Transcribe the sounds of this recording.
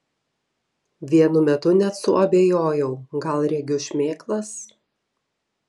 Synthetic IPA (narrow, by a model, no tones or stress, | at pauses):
ʋʲiɛnʊmʲɛt̪ʊnʲɛt̪sʊʔɐbʲeːjoːjɛʊɡɐlˠɾʲɛɡʲʊʃʲmʲeːklˠɐs